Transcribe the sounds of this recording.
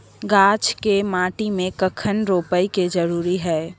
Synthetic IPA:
ɡaːt͡ʃkemaːʈimẽkəkʰənɾoːpəiked͡ʒəɾuːɾiɦɛː

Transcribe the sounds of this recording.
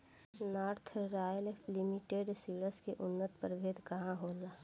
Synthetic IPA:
naːɾt̪ʰɾaːjəllimiʈeːɖsiːɽəskeʔʊnːət̪pəɾʋʱeːd̪ʱkɐɦãɦoːlaː

